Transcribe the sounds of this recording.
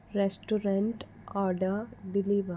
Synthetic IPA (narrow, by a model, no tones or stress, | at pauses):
ɾɛsʈuɾə̃ɳʈ | ɔːɾɖəɾɖɪliːʋə